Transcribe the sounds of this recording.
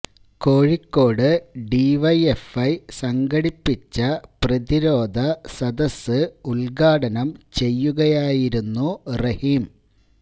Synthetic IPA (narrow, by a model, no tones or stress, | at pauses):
ko̞ːɻikːo̞ːɽɨɖiʋɐjefɐjsɐŋɡɐɽipːit͡ɕːɐprɐðiɾo̞ːd̪ʱɐsɐd̪ɐsːɨulɡaːɽɐnɐmt͡ɕe̞jːuɣɐjaːjiɾunːurɐhiːm